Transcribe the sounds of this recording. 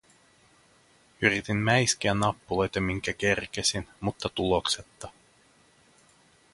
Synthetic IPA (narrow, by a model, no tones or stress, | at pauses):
yɾit̪immæjsk̟iænːɑpːulo̞jt̪ɑmiŋkæk̟e̞rk̟esinmut̪ːɑt̪ulo̞kse̞t̪ːɑ